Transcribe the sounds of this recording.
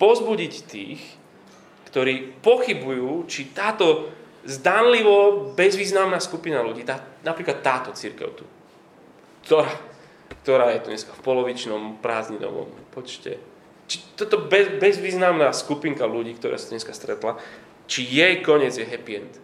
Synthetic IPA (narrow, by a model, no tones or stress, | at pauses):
pɔzbuɟict̪ḭːx | kt̪ɔɾiːpɔxibujuːt͡ʃit̪aːt̪ɔ | zd̪anliʋɔbɛzʋiːznamnaːskupinaluɟiːt̪aːnapɾiːklat̪ːaːt̪ɔt͡siɾkɛ̰ʊt̪u | kt̪ɔɾaː | kt̪ɔɾaːjɛt̪uɲɛskafpɔlɔʋit͡ʃnɔmpɾaːzɲinɔ̰ʋɔ̰mpɔt͡ʃcɛ̰ | t͡ʃi̥t̪ːɔt̪ɔbɛbɛzʋiːznamnaːskupiŋkaluɟiːkt̪ɔɾa̰ːsat̪ɲɛskḁst̪ɾɛt̪la | t͡ʃijɛjkɔɲɪɛd͡zjɛɦɛpiɛnt̪